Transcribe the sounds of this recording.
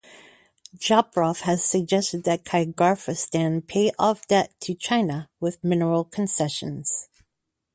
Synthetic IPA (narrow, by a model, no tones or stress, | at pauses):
ʒ̥ɑpɹɑfhɨz̥sɨɡ̚d͡ʒɛstɨd̪̚ðɨt̚kʰaɪɨɡɑɹfɨstæ̃npʰeɪʔɑfd̥ɛtʰɨt͡ʃʰãɪ̃nəwɪðmɪnə˞l̩ˠkʰn̩sɛʃɨ̰̃nz̥